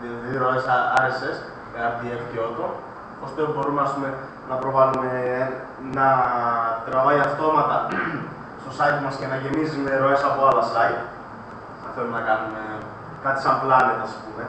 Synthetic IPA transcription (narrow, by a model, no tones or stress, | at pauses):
ðɾo̞esɐɾeses | ɐɾɐpðiefceot̪o | post̪obo̞ɾumeɐspume̞ | nɐpɾo̞vɐlume | nɐ | t̪ɾɐvɐiɐft̪o̞mɐt̪ɐ | st̪o̞sɐit̪mɐsce̞nɐʝe̞mizime̞ɾo̞e̞sɐpoɐlɐsɐit̪ | θɐnθelumenɐkɐnume̞ | kɐt̪i̥sɐmplɐnet̪ɐspume̞